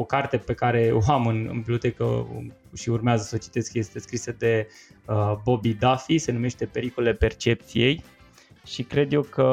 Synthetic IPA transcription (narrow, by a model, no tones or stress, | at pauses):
okart̪e̞pe̞kaɾe̞oamɨnɨ̰nbiblʲo̞t̪e̞kə̰ɨ̰ʃiurmeazəsət͡ʃi̥t̪e̞skje̞st̪e̞skɾisəd̪e̞ | əbo̞bid̪afise̞nume̞ʃt̪e̞pe̞ɾikolelepe̞rt͡ʃe̞p̚t̪sije̞j | ʃikɾe̞d̪je̞kə